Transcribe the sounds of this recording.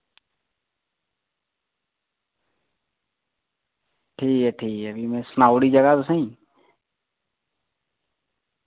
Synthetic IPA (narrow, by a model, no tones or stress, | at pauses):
ʈʰiːkɦɛʈʰiːkɛəbʱimẽsnaːʊɽid͡ʒəɡat̪ʊsəĩ